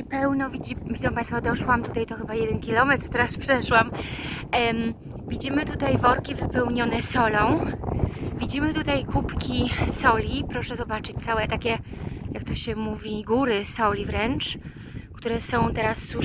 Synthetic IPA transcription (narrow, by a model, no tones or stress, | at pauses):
ɛpɛwnɔvʲid͡ʑivʲid̪zɔ̃wpãjst̪fɔd̪ɔʂwamt̪ut̪ajt̪ɔxɘbajɛd̪ɛnkʲilɔmɛt̪ɾt̪ɛɾaspʂɛʂwam | vʲid͡ʑimɘt̪ut̪ajvɔɾkʲivɘpɛwɲɔnɛsɔlɔ̃w̃ | vʲid͡ʑimɘt̪ut̪ajkupkʲisɔlʲipɾɔʂɛzɔbat͡ʂɘt͡ɕ̚t̪sawɛt̪akʲɛjak̚t̪ɔɕɛmuvʲiɡuɾɘsɔlʲivɾɛnt͡ʂ | kt̪uɾɛsɔ̃w̃t̪ɛɾasːu